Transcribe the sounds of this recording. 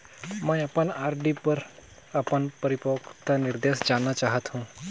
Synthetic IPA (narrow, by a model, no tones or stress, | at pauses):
məjapəɳaɾɖipəɾ | apəɳpəɾipokt̪aniɾd̪esd͡zanat͡ɕaɦət̪hũ